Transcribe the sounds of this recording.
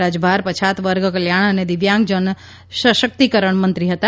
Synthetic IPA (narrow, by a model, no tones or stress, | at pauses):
ad͡ʒbʱaɾpət͡ʃʰat̪ʋəɾɡkəljaɳ̃əned̪ɪʋjãŋɡ̚d͡ʒən | ʃəʃək̚t̪ikəɾəɳ̃mə̃nt̪ɾiɦət̪a